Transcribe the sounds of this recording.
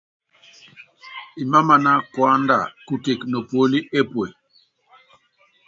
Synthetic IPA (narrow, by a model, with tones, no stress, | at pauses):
i˨ma˦ma˨na˦kwa˦nda̰˨ku˨te˨kno˨pwo˨˦li˦ʔe˦pwe˨